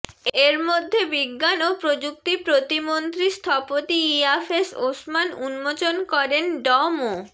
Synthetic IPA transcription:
eɾmod̪ʱːebiɡːanopɾod͡ʑuk̚t̪ipɾot̪imont̪ɾist̪ʰapot̪iiafesosmanunmot͡ɕonkɔɾenɖɔmo

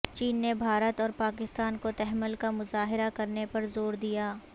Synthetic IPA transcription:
t͡ʃiːnːebʱaːɾət̪ɔːɾpaːkɪst̪aːnkot̪ɛɦməlkamʊzaːɦɪɾakɐɾnepɐɾzoːɾd̪ijaː

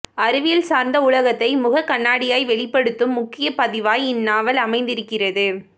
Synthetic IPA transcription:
ɐɾɯʋɪjɐlsaːɾnd̪ɐʊɭɐɣɐt̪ːɐɪmʊɣɐkɐɳːaːɽɪjaːjʋɛɭɪpːɐɽɯt̪ːɯmːʊkːɪjɐpɐðɪʋaːjɪnːaːʋɐlɐmɐɪnd̪ɪɾɯkːɪrɐðɯ

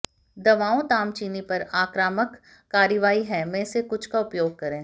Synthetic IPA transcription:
d̪ɐʋaːõt̪aːmt͡ʃiːnipɐɾaːkɾaːməkː | aːɾəʋaːiɦɛ̃mẽsekʊt͡ʃʰkaʊpjoːɡ̚kɐɾẽː

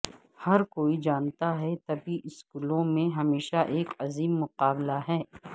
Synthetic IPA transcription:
hɐɾkoːid͡ʒaːnt̪aɦɛt̪ɐbʱiʔɪskuːlõmẽɦɐmeːʃaʔeːkɐziːmːʊqaːblaɦɛː

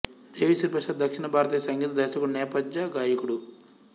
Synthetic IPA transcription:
d̪eːʋisiɾpɐʂaːd̪̚d̪ɐkʂinɐbʱaːɾɐt̪iːjɐsɐŋɡiːt̪ɐd̪ɐʃɐkuɽnɛːpɐd͡ʒd͡ʒɐɡaːjɐkuɽu

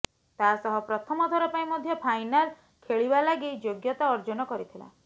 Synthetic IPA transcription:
t̪asɔɦɔpɾɔt̪ʰɔmɔt̪ʰɔɾɔpaĩmɔd̪ʱjɔpʰajnal | kʰeɭibalaɡid͡ʒoɡjɔt̪aɔɾd͡ʒɔnɔkɔɾit̪ʰila̰

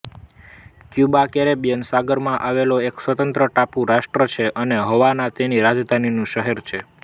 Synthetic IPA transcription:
kjubakeɾebijənsaɡəɾmãʔaʋeloeksʋət̪ənt̪ɾəʈapũɾaʃʈɾət͡ʃʰeʔəneɦəʋanat̪eniɾad͡ʒd̪ʱaninũʃəɦeɾt͡ʃʰe

